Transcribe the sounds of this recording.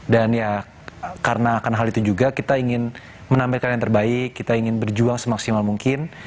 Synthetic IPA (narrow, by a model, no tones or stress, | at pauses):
danja | karənaːkanɦalit̪ud͡ʒuɡakit̪aiŋɪn | mənampɪlkanjant̪ərbaɪkːit̪aiŋɪnbərd͡ʒuaŋsəmaksimalmuŋkɪn